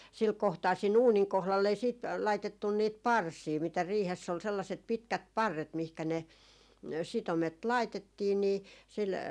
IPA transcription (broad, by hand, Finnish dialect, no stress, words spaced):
sil kohtɑː siːn uːniŋ kohlɑlː ei siːt lɑitetːun niːt pɑrsiː mitæ riːhesː ol selːɑset pitkæt pɑrːet mihkæ ne sitomet lɑitetːiː niː sil